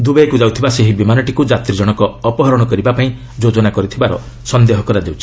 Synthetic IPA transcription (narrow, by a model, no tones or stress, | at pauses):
d̪ubeekud͡ʒawt̪ʰibaseɦibimanɔʈikud͡ʒat̪ɾid͡ʒɔɽ̃ɔkɔːpɔɦɔɾɔɽ̃ɔkɔɾibapaĩ | d͡ʒod͡ʒɔnakɔɾit̪ʰibaɾɔ̰ | sɔnd̪eɦɔkɔɾad̪ewt͡ʃʰi̥